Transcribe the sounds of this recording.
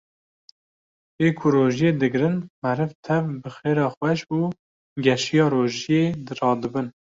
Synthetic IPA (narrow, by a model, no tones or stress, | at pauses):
eːkʰʊɾoːʒijeːd̪ɨɡɾɨnmɛɾɨvt̪ʰɛvbɨxeːɾɑːxwɛʃuː | ɡɛʃijɑːɾoːʒijeːd̪ɨɾɑːd̪ɨbɨn